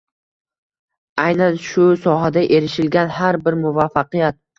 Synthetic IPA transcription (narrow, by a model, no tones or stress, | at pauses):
ajnanʃʊsɒɦad̪aʔe̞ɾɪʃɪlɡʲanhaɾbɪɾmʊvafːɑqɨjat̪̚